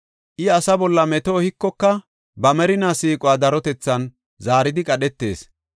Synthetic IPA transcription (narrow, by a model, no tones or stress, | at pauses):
ʔɪɐsɐbɔlːɐmɛt̪oːhɪkːɔkːɐ | bɐmɛɾɪnasiːkʼʊwaːd̪ɐɾɔt̪ɛt͡sːɐn | zaːɾɪd̪ɪkʼɐɗɛt̪ːe̞̰ːs